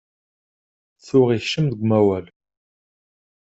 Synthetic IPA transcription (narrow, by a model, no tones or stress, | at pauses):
θʊʁiçʃəmðəɡʷmæwæl